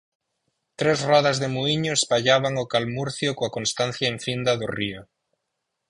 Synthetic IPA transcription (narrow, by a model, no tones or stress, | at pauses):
t̪ɾezrɔðazðemuiɲoespaʎaβ̞aŋokalmuɾθjokoakõnst̪an̟θjaeɱfind̪aðorio